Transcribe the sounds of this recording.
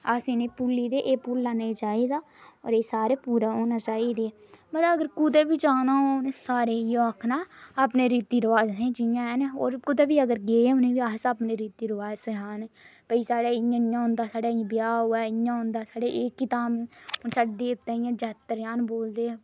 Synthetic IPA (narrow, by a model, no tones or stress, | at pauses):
aːseneːpulːiːd̪eːʔeːpʊllaːneːt͡ʃaːiːd̪aː | ɔ̰ːɾeːsaːɾeːpuːɾaːoːnaːt͡ʃaːiːd̪e | mət̪ləəɡəɾkʊd̪eːbiːd͡ʒaːnaːonẽːsaːɾeːijoaːkʰnaːaːpneːɾiːt̪iːɾəʋaːd͡ʒɦẽːd͡ʒɪjãːɛnɔ̰ːɾkʊd̪eːbiːəɡəɾɡeːẽːʊnẽːʋiːaːsaːpneːɾiːt̪iːɾəʋaːd͡ʒsəɦaːnpəiːsaːɽaːɪj̃ːɪjãːɦʊ̃nd̪aːsaːɽaːbɪjaːɦuːɛːɪjãːɦõːnd̪aːsaːɽeːʔeːkːɪt̪aːmnsaːɖeːpət̪aːijãːd͡ʒɛːt̪ːəɾjaːnboːld̪eː